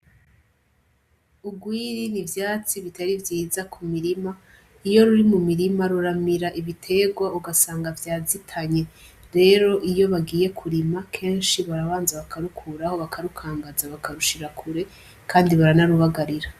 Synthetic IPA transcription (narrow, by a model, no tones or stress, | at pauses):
uɡwiːɾinivjaːt͡siβitaɾivjiːzakʰumiɾima | ijo̞ɾuɾimumiɾimaɾuɾamiɾaʔiβitʰe̞ɡwauɡasaːŋɡavjaːzitʰaɲe̞ | ɾe̞ːɾo̞ʔijo̞βaɡiːje̞kʰuɾimakʰe̞ːnʃiβaɾaβaːnzaβakʰaɾukʰuɾaho̞βakʰaɾukʰaːŋɡazaβakʰaɾuʃiɾakʰuɾe̞ | kʰaːndiβaɾanaɾuβaɡaɾiɾa